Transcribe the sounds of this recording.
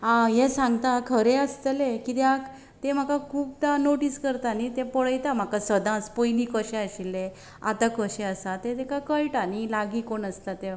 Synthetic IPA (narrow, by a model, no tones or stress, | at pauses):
ɦãjesãŋɡt̪akʰəɾeəst̪əlekit̪eak | t̪em̤akakʰuːp̚t̪anoʈiskəɾt̪anit̪epəɭəjt̪am̤akasəd̪ãt͡spojlikəɕeəɕilːẽ | a̰t̪akəɕeəsat̪ẽt̪ekakəjʈanilaɡikoɳəst̪at̪e